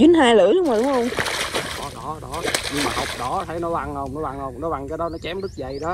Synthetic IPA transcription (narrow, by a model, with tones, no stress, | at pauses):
zi˨˦nhaː˧jlɨ̰˧˥˦lʊ˨˦ŋ͡mmaː˨˩ɗʊ˨˦ŋ͡mhə˧wŋ͡mɔ˨˦ɗɔ˨˦ɗɔ˨˦ɲɨ˧ŋmaː˨˩ha˨˩wk͡p̚ɗɔ˨˦t̪ʰə˨˦jnɔ˨˦ɓa˨ŋhə˧wŋ͡mnɔ˨˦ɓa˨˩ŋo˧wŋ͡mnɔ˨˦ɓa˨˩ŋkaː˨˦jɗɔ˨˦nɔ˨˦t͡ɕɛ˨˦mɗɨ˦˥k̚zə̰˨jɗɔ˨˦